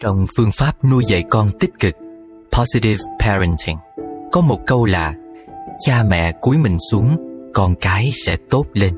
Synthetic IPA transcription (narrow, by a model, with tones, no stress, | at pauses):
t͡ɕɔ˧wŋ͡mfɨ˧əŋfaː˦˥p̚nu˧jzə̰˧˨jkɔ˧nt̪i˦˥t̚kɨ˨˩k̚ | pʰɔ˨˦zi˧ti˧vpʰɛ˧ɹə˧ntʰi˧˩ŋkɔ˨˦mo˨˩t̚kə˧wlaː˨˩t͡ɕaː˧mɛ̰˧˨ku˨˦əjmï˨˩ŋ̟su˨˦əŋkɔ˧nkaː˨˦jsɛ̰˧˥t̪o˦˥t̚le˧n